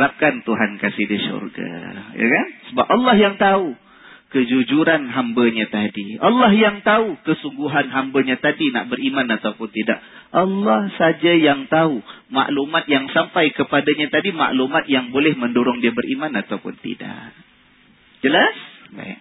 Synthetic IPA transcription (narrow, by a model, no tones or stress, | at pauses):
ɾap̚kant̪uɦankasɪhdisṵrɡa̰ja̰kansəbapɑlːɑhjaŋt̪au | kəd͡ʒud͡ʒuɾanɦambəɲat̪adiɑ̰lːɑhjaŋt̪aukəsuŋɡuɦanɦambəɲat̪adina̰ʔbəɾimanat̪awpʊnt̪ida̰ʔ̚ʔɑlːɑhsad͡ʒajaŋt̪auma̰ʔlumat̪̚jaŋsampajkəpadaɲat̪adima̰ʔlumat̪̚jaŋbolɛhmə̃ndoɾʊŋdiəbəɾʔimanat̪awpʊnt̪ḭda̰ʔ | d͡ʒəlasba̰ḭk̚